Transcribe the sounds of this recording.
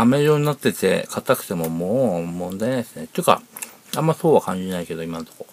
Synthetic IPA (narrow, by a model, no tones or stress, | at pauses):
ameɾoɲ̟inat̪ːe̞t̪e̞̰kʰat̪akɯ̟̥t̪e̞mo̞moːmõnd̪ainesɨne̞t̪ːoɯka̰ | ãmːaso̞ːβakãɲ̟d͡ʑinaike̞d̪o̞imant̪o̞ko